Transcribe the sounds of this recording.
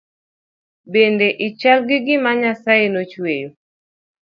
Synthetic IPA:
bendeʔit͡ʃalɡɪɡɪmaɲasajenot͡ʃwejo

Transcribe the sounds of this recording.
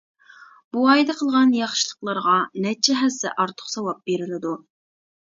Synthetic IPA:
b̥uɑjd̪ɛqʰəlˠʁɑnjɑχʃɨlˠəqlˠɑɾʁɑnɛt͡ʃʰɛɦɛsɛ̰ʔɑɾt̪ʰə̥χsɑwɑp̚b̥eɾɪlɪd̪u

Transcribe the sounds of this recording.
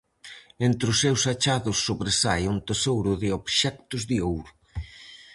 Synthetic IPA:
ent̪ɾʊsːewsat͡ʃaðʊsːoβɾesajunt̪esowɾʊðɪoβʃɛkt̪ʊzðɪowɾʊ

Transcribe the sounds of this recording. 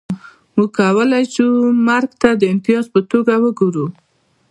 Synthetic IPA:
muɡkawəlajʃumaɾɡt̪ad̪əɪnt̪ɪjɑzpət̪oɡawəɡuɾu

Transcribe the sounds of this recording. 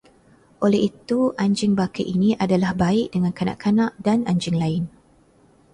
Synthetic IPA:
ʔolɛhit̪uʔaɲd͡ʒɪŋbaka̰ʔinĩʔadalahbaɪʔ̚dəŋankanã̰ʔkanãʔdanaɲd͡ʒɪŋlaɪn

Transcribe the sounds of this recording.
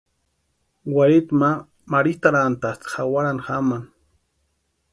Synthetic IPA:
waɾɪt̪ma | maɾit̪aɾant̪at̪xawaɾanxaman

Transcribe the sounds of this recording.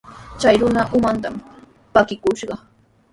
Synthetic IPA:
t͡ʃajɾʊnaʔʊmant̪am | pakɪkʊʃɢɑ

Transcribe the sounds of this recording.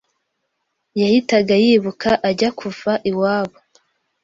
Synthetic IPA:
jahitaɡajiːβukʰaʔaɟakʰuvaʔiwaːβo

